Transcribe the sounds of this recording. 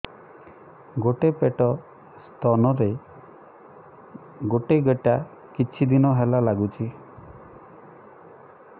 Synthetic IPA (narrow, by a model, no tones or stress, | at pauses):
ɡoʈepeʈɔ | st̪ʰɔnɔɾe | ɡoʈeɡeʈa | kit͡ʃʰid̪inɔɦelalaɡut͡ʃʰi